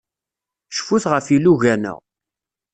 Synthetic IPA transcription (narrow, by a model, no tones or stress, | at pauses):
ʃfuθʁəfiluʝænə̰ʁ